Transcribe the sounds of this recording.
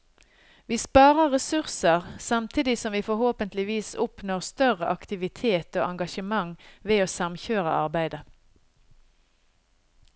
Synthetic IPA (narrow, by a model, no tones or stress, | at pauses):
ʋiːspɑːʁəʁɛsʉʁsəʁsɑmt̪ʰiːd̪ɪsɔmʋiːfɔʁhoːpənt̪lɪʋiːsʊpnoːʁst̪œʁəʔɑkt̪ɪʋɪt̪ʰeːt̪o̰ːʔɑŋɡɑʃəmɑŋʋeːoːsɑmçøːʁə̰ʔɑʁbæɪd̪ə